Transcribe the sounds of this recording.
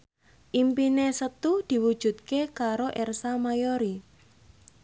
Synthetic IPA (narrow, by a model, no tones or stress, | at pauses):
ʔimpinesət̪ud̪̥i̤wud̥ʒ̥ṳt̪̚kekaɾoʔɛrsamajoɾi